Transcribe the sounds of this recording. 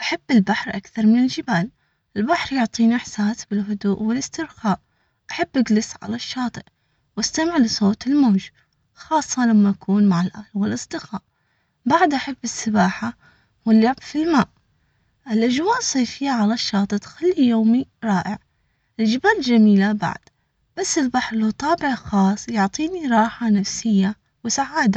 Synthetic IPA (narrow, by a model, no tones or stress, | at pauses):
ʔaħabːɪlbaħɾʔakθɑɾˤmɪnɪld͡ʒɪbaːl | ʔɪlbaħɾjʊʕt̪ˤiːniʔɪħsaːsbɪlɦʊd̪uːʔwɪlɪst̪ɪɾxaːʔ | ʔaħabːʔaɡlɪsʕa̰laʃːɑːt̪ˤɨʔ | wast̪amɪʕlisˤoːt̪ɪlmoːd͡ʒ | xɑːsˤːɑlamːaʔakuːnmaʕɪlʔaːlwɪlʔɨsˤd̪ɨɣaːʔ | baʕd̪ʔaħabːɪsːɪbaːħa | wɪlːabfilmaːʔ | ʔɪlʔad͡ʒwaːʔsˤːejfɪjːaʕalaʃːɑːt̪ˤɨt̪xalːijoːmiɾˤɑːʔɪʕ | ld͡ʒɪbald͡ʒamiːlaba̰ʕd̪̥ | b̥asːɪlbaħɾlʊt̪ˤɑːbɪʕxɑːsˤjʊʕt̪ˤiːniɾˤɑːħanafsɪjːa | wɪsaʕaːd̪a